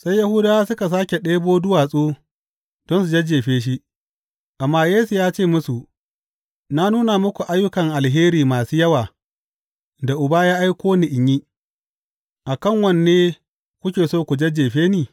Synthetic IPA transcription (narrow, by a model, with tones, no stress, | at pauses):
sa˦jːa˦hʊ˦daː˦sʊ˦ka˨s̬aː˦kʲe˨ɗeː˦boː˦dʊ˦waː˨sʼuː˦ | dɔ˦nsu˨d͡ʒɐ˦d͡ʒeː˨ɸeː˦ʃ̬i˦ʔ | ʔa˨mːaː˦jeː˦su˨jaː˦t͡ʃeː˦˨mʊ˦su˨ʔ | na˦nuː˦na˨mʊ˦kʷu˨ʔa˦jːʊ˦kɐ˨ŋʔa˨lɦeː˦ɾiː˨maː˨suː˦jɐ˦waː˨ | da˨ʔʊ˨baː˦jaː˦ʔa˦jkʷoː˦ni˨ʔɪ˨ɲji˦ | ʔa˨kɐ˦˨ŋwɐ˦nːeː˦ | kʷʊ˦kʲeː˨soː˦kʷu˨d͡ʒɐ˦d͡ʒːeː˨ɸeː˦niː˨